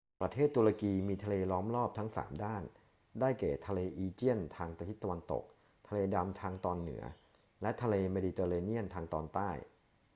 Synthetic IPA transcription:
pɾa˧t̪ʰeː˥˩t̪ːu˧ɾa˧kiː˧miː˧t̪ʰa˧leː˧lɔː˦˥mlɔː˥˩p̚t̪ʰa˦˥ŋsa̰ː˩˦mdaː˥˩n | daː˥˩jkɛ̰ː˨˩t̪ʰa˧leː˧ʔiː˧t͡ɕi˥˩ənt̪ʰaː˧ŋt̪a˧t̪ʰi˦˥t̪ːa˧wa˧nt̪o̰˨˩k̚ | t̪ʰa˧leː˧da˧mt̪ʰaː˧ŋt̪ɔː˧nːɯ̰˩˦ɐ | lɛ˦˥ʔt̪ʰa˧leː˧meː˧diː˧t̪ɤː˧leː˧ni˥˩ənt̪ʰaː˧ŋt̪ɔː˧nt̪aː˥˩j

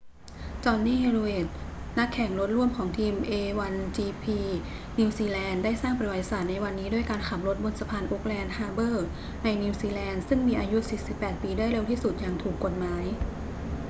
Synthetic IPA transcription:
t͡ɕɔː˧nːiː˥˩ɾu˧eː˨˩t̪̚na˦˥kʰːɛ˨˩ŋɾo˦˥t̪̚ɾu˥˩əmkʰɔː˩˦ŋt̪ʰiː˧mʔeː˧wa˧nt͡ɕiː˧pʰiː˧ | niː˧wsiː˧lɛː˧ndaː˥˩jsaː˥˩ŋpa˧i˧wa˨˩˧saː˨˩t̪̚na˧jwa˧nːiː˦˥du˥˩əjkaː˧nkʰa˨˩m̚ɾo˦˥t̪̚bo˧nsa˧pʰaː˧nʔo˦˥k̚lɛː˧nhaː˧bɤː˥˩ | na˧jni˧wsiː˧lɛː˧nsɯ˥˩ŋmiː˧ʔaː˧ju˦˥siː˨˩si˨˩pːɛː˨˩t̪̚piː˧daː˥˩əjɾe˧wt̪ʰiː˥˩su˨˩t̪̚jaː˨˩ŋt̪ʰuː˨˩kːo˨˩t̪̚maː˩˦j

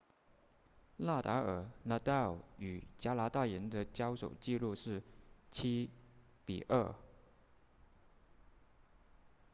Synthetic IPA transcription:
la˥˩t̪a˧˥ə˞˨˩na˧˥t̪a˥˩˨y˨˩t͡ɕja˥la˧˥t̪a˥˩jə˧˥nd̪ə˧t͡ɕjɑ˥ʊʂo˨˩ʊt͡ɕi˥˧lu˥˧ʂɻ̩˥˩t͡ɕʰi˥ | pḭ˨˩ʔə˥˩

